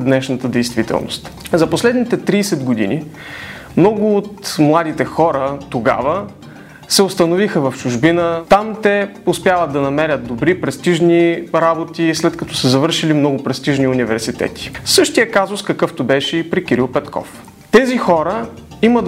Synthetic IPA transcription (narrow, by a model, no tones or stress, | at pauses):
d̪nɛʃnət̪əd̪ɛjst̪vit̪ɛ̰lˠno̰st̪zɐposlɛd̪nit̪ɛt̪ɾiːsɛd̪ɡod̪ḭnḭ | mnɔɡʊːt̪mlˠad̪it̪ɛxɔɾət̪oɡa̰və | sɛost̪ɐnovixəvɐft͡ʃʊʒbinət̪amt̪ɛʊspjavət̪̚d̪ɐnɐmɛɾʲət̪̚d̪obɾipɾɛst̪iʒniɾabot̪islɛt̪kɐt̪ɔ̥səzɐvɤɾʃilimnɔɡʊpɾɛst̪iʒniunivɛɾsit̪ɛ̰t̪ʰi̥sɤʃt̪ijəkazʊskɐkɤft̪obɛʃɛipɾikiɾilˠpɛt̪kʰɔ̰f | t̪ɛzixɔɾəimət̪